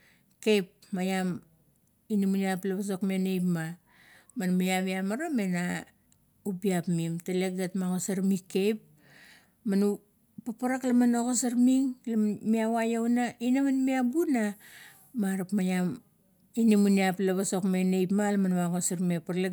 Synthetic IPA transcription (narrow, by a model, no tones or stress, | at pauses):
ke̞jp | majam | inimuniaplaβas̬o̞kmenejpma | manmajamiamaɾamena | ubiapmimteleɡetmaɡosaɾmikːe̞jp̚ | manu | papaɾaklamanokosaɾmiŋlamiawajawnainamanmiabuna | maɾapmajam | inimuniaplaβaso̞kme̞nejpmalamanwaɡosaɾmepaɾle